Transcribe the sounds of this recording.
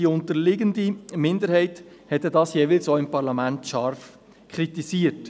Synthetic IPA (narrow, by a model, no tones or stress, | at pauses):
ʊntəɾlɪɡəndimɪnd̪əɾhɛɪt | hɛt̪ədɑːsjeʋɪlsoɪmpɑɾlɑmæntʃɑɾf | kχɾitisiːət